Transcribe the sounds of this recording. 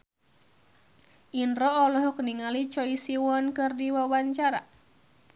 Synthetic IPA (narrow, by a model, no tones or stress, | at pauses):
ʔinɾɔːlɔɦɔkəniŋalit͡ʃɔisiwɔnkɨrdiwawaɲt͡ʃaɾa̰